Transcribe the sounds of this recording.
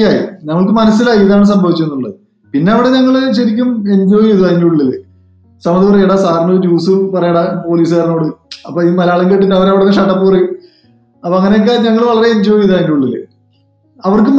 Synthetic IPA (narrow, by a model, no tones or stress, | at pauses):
aːjḭnɐŋːɐɭkɨmɐnɐsːilaːjiðaːɳɨs̬ɐmbʱɐʋit͡ɕːenːuɭːɐðɨ | pinːe̞ɐʋiɽe̞ɲɐŋːɐɭɕɐɾik̬ʲːume̞ɲd͡ʑoːjiðaːjiɲːiuɭːilːḛ | sɐmɐðipɐrɐjɐɽasaːrnud͡ʑuːsɨpɐrɐjɐɽapo̞ːliːs̬ɨɐɾnoːɽɨɐpːoːimɐlɐjaːɭɐŋɡeʈːinːɨɐʋɐɾɐʋiɽneʂɐʈːɐpːɨrɐju | ɐpːoɐŋːɐnejok̬ːeɲɐŋːɐɭʋɐɭɐɾe̞eɲd͡ʑo̞ːjjiðaːjiɲːiuɭːilːḛ | ɐʋɐrkɨm